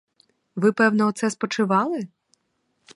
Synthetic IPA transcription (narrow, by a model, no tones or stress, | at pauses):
ʋɪpɛwnɔɔt̪sɛspɔt͡ʃɪʋɑlˠɪ